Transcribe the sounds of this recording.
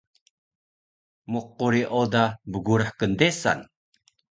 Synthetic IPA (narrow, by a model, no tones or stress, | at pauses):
muq̚ːuɾiʔodabəɡuɾaħkəndesa̰n